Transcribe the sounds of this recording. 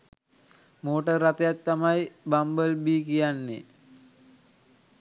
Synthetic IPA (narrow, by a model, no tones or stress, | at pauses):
moːʈərːat̪əjat̪ːamajbambəlbiːkijanːḛ